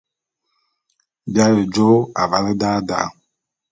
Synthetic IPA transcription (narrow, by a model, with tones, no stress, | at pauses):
bja˦je˨d͡ʒo˦a̰˨va˨le˦da˦da̰˦